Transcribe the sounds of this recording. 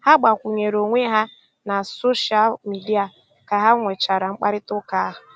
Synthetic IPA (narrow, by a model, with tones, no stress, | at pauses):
ha˦ɡ͡ba˨kʷu˨ɲe˨ɾo˨ŋʷe˦ɦa˦ | na˨so˦ʃa˦lmi˨di˦a˨ | ka˨ɦa˦ŋʷe˨t͡ʃa˨ɾa˨ŋ͡m̩˦k͡pa˦ɾɪ˦tʊ˦ka˦a˦ɦʊ˨